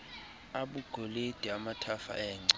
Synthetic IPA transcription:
aɓuɡ̥ʱoled̥ʱiamatʰafa̰ɛːŋ͡ǀa

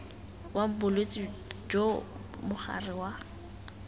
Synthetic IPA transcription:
wam̩bʊlwet͡sʼɪd͡ʒo | mʊχa̰rɪwa

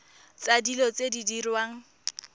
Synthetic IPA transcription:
t͡sadilɔt͡sʼedidirwaːŋ̩

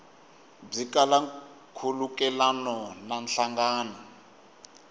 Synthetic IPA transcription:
b͡ʐikala | kʰulukɛlanɔnanɬaŋɡaːnɔ

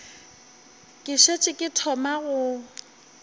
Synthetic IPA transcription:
kʼɪʃet͡ʃʼɪkʼɪtʰɔmaɣʊ

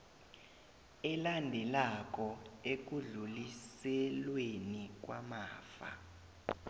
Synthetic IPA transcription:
ɛlandʱɛlak̬ʼɔek̬uɮulisɛlwenik̬wa̰maːfa̰

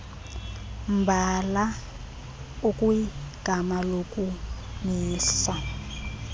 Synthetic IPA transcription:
mbʱala | ukʼuiɡ̥ʱamalokʼu | miːsa

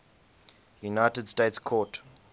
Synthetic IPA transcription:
junaɪtədstetskʰɔt

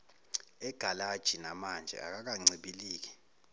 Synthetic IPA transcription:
ɛɡ̥ʱalad̥ʒ̥ʱinamand͡ʒʱɛ̰a̰k̬ak̬aŋ͡ǀʱiɓiliːk̬ɛ̥

